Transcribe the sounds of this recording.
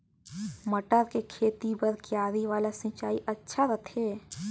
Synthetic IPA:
məʈəɾkekʰeːt̪ibəɾkjaːɾiʋaːlasɪ̃t͡ʃaːiʔɐtːʃʰaɾət̪ʰeː

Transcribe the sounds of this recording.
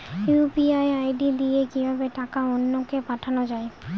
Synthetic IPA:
jupiaeajɖid̪ijekibʱabeʈakaonːokepaʈʰanod͡ʑae

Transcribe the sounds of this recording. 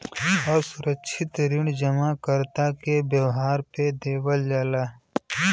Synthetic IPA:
ɔːɾsʊɾəkʃʰɪt̪ɾɪɳd͡ʒəmakəɾt̪akebjəwɦaːɾped̪eːwəld͡ʒaːlaː

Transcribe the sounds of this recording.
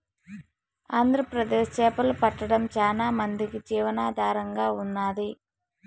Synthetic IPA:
aːnd̪ʱɾɐpɾɐd̪eːʂt͡ʃɛːpɐlupɐʈːɐɽɐmt͡ʃaːnaːmɐnd̪ikid͡ʒiːʋɐnaːd̪ʱaːɾɐŋɡaːunːaːd̪i

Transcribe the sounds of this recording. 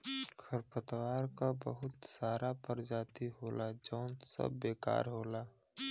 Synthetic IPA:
kʰəɾpət̪waːɾkabə̰ɦʊt̪saːɾapəɾd͡ʒaːt̪iɦoːlad͡ʒɔ̃ːnt̪sə̰bːeːka̰ːɾɦoːlaː

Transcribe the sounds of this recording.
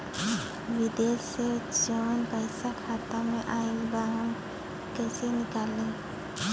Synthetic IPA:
ʋɪd̪eːsed͡ʒənpəɪsakʰaːt̪amẽʔaibaɦəm | kɛsenɪkaːlẽ

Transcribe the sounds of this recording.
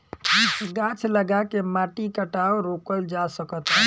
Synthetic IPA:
isɡat͡ʃʰləɡakemaʈikəʈaoɾokəld͡ʒasəkət̪ɦɛ

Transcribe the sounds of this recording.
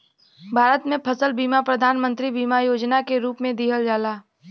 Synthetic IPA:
bʱaːɾət̪mẽpʰəsəlbiːmapɾəd̪ʱaːnmə̃nt̪ɾibiːmajoːd͡ʒnakeɾuːpmẽd̪iːɦəld͡ʒaːlaː

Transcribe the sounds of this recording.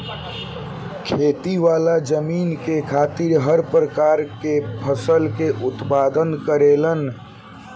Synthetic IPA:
kʰeːt̪iʋaːlad͡ʒəmiːnkekʰaːt̪ɪɾɦəɾpɾəkaːɾkepʰəsəlkeʔʊt̪paːd̪ənkəɾeːlən

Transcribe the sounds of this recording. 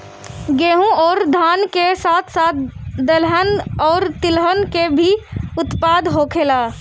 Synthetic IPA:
ɡeːɦũɔːɾd̪ʱaːnkesaːt̪ʰsat̪̚ʰd̪əlɦənɔːɾt̪ɪlɦənkebʱiʊt̪pad̪ɦokʰela

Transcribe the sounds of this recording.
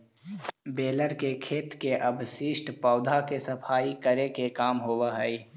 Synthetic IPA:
beːləɾkekʰeːt̪keʔɐbʱsɪʃʈpɔːd̪ʱakesɐpʰaːikəɾekekaːmɦoːwaɦɛi

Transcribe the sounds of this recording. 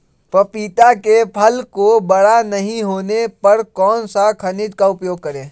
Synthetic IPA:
pəpiːt̪akepʰəlkobəɽanəɦĩɦoːnepɐɾkɔːnsakʰɐnɪd̪kaʊpjoːɡ̚kəɾẽː

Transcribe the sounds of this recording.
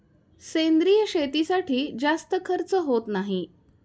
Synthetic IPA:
send̪ɾijəɕet̪isaʈʰiːd͡zast̪əkʰəɾt͡səɦot̪naɦi

